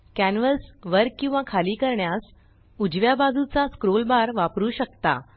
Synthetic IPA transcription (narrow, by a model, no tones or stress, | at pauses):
kænʋəlsʋəɾkkːĩw̃ʋakʰaliːkəɾɳjas | ud͡ʑʋjabad͡zut͡saskɾolbaɾʋapɾuːɕəkt̪a̰